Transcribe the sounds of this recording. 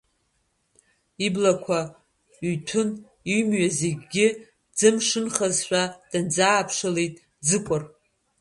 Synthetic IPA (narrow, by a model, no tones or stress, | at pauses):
iblakʷʰa | ɥɥtʰʊn | iɥmɥaze̞ɡʲɡʲɪ | d͡zɨmʂɨnχazħᶣʷad̥ɨnd͡zaːpʰʂalejtʼ | d͡zɨkʷʼʊr